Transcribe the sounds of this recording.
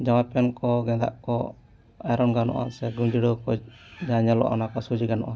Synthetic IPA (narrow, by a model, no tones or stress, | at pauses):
d͡ʒawapɛnkɔɡɛ̃d̪a̰ʔkɔ | ajɾɔnɡanɔ̰ʔa̰sɛɡuɲd͡ʒiɽɔkɔd͡ʒaɲalɔ̰ʔɔ̰nakɔsud͡ʒiɡanɔʔa